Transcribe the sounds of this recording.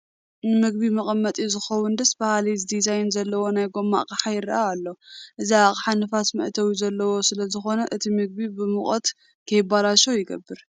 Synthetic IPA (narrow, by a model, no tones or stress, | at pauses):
nɨmɨɡ̚bimɐχʼɐmːɐt̪ʼjizɨxɐwːʊnd̪ɐsbahalizd̪izajnzɐlːɐwo̞najɡo̞mːa̰ʔkʼaħajɪɾɐ̰ʔaalːoʔɨziaχʼħanɨfat̪mɐ̰ʔt̪ʰɐwizɐlːɐwo̞sɨlɐzɨxo̞nɐʔɨt̪ʰimɨɡ̚bibɨmɨχʼɐt̪ | kʰɐjɪbalaʃojɪɡɐ̰bːɨɾ